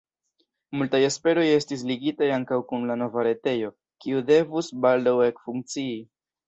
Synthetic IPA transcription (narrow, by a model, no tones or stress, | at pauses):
multajespe̞ɾo̞je̞stis̬liɡitajaŋkawkunlano̞vaɾe̞te̞jo̞ | kiude̞vusbaldawe̞kfuŋk̚t͡sii